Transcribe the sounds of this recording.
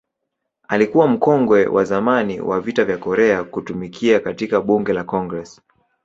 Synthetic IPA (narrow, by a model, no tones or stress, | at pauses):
alikuwam̩kɔŋɡwɛwʔa̰zamanḭwʔavitavjakɔɾɛakutumikʰiakatikaɓuŋɡɛlakɔŋɡɾɛs